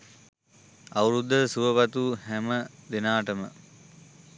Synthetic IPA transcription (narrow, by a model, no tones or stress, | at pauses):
awɾud̪ːəsuʋəpat̪uhæməd̪enaːʈəmə